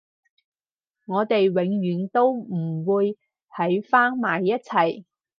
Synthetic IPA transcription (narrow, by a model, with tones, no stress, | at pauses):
ŋɔː˨˧t̪e˨jwɪ˨˥ŋɥyː˨˥nt̪o˥wm̩˨˩wuː˨˧j | hɐ˨˥jfaː˥ŋmaː˨jːɐ˥t̚t͡sʰɐ˨˩j